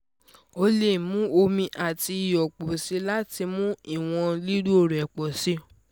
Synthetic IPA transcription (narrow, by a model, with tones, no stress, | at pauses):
o˧le˦˨mũ˨˦o˧mĩ˧ʔa˨ti˧i˨jɔ˨k͡po˨si˨˦la˦ti˧mũ˦i˦˨w̃ɔ̃˧li˦ɾu˦o˦˨ɾɛ˨k͡pɔ˨si˨˦